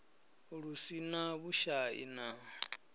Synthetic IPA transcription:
ɺusinaβuʃaḭna

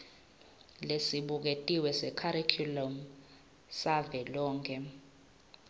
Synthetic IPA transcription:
lesiɓuk̬etʼiwɛsɛkʰaɾikʰjulɔm | savɛlɔːŋkʰʼɛ

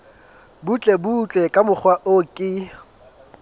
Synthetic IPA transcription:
but͡ɬʼebut͡ɬʼɛkʼamʊk͡xʰwaʔokʼɪ

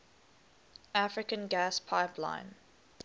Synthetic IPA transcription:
afɹɪkə̃nɡæspʰaɪpʰlã̰ɪ̃n

